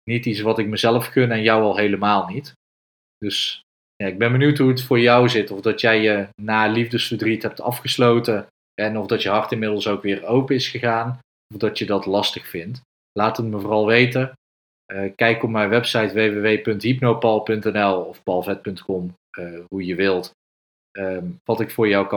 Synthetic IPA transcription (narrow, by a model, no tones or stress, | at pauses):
nitisʋɑtɪk̚məzɛləfkɵnɛnjɑwɑlˠɦejləmaːlˠnit | d̥ɵs | jaːɪɡ̚bɛnbənywtɦuətfʊːɹjʌwzɪtɔfdɑtjɛjjənaːlivdəsfərdritɦɛp̚tʰɑ̰fχəslowtə | ɛnɔvdɑtjəɦɑrtɪnmɪdl̩ˠsowkʋɪːrowpəɪsχəɣaːn | ɔfdɑtjədɑtlɑstəχfɪnt | laːtətməvʊːrɑlˠʋejtə | əkɛjkɔpmɛjʋɛpsɑjtʋejʋeʋejpɵntɦipnowpɑlˠpɵntɛnɛlˠɔfpɑlˠvɛt̚pɵntkɔm | əɦujəʋɪlˠt | əʋɑtɪkfʊːɹjɑwk